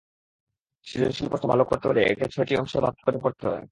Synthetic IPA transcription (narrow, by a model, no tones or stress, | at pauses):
ʃiɾenʃilpost̪obʱa̰lokoɾt̪eoleḛʈit͡ɕʰoʈiɔ̰ŋʃoba̰k̚t̪ʰːi̥koɾepoɾt̪eɦɔ̰e